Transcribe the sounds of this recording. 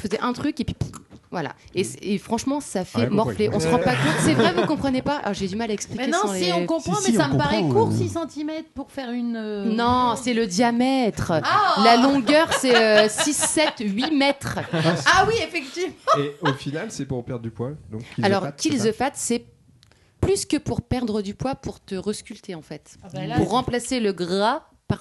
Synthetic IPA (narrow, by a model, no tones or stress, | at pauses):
fəzɛʔɛ̃t̪χykepɥipvwa̰la̰esefχɑ̃ʃmɑ̃safɛmɔfleʔɔ̃səʁɑ̃pakɔ̃t̪sɛvʁɛvukɔ̃pχənepa̰lɔʁʒed̪ymalaɛksplikʲeñleiɔ̃kɔ̃pχɑ̃mɛsãməpaʁɛkuʁsisɑ̃t̪imɛt̪χpuʁfɛʁynønɔ̃sɛləd̪jamɛt̪χlalɔ̃ɡʲœʁsɛøsisːɛt̪ɥimɛt̪χawiefɛkt̪ivmmɑ̃eofinalsɛpuʁpɛʁd̪ʁd̪ypwad̪ɔ̰̃kalɔʁkʲʰilzəfat̪sɛ | plyskʲəpuʁpɛʁd̪ʁəd̪ypwapuʁt̪əʁəskʲylt̪eɑ̃fɛt̪puʁːɑ̃plaseləɡʁa | paʁ